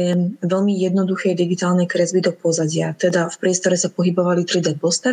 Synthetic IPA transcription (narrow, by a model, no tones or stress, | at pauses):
ɛmʋɛlmijɛd̪nɔd̪uxɛjd̪iɡit̪aːlnɛjkɾɛzbid̪ɔk̚pɔzaɟɪat̪ɛd̪afpɾɪɛst̪ɔɾɛsapɔɦibɔʋalit̪ɾid̪ɛpɔst̪ɛ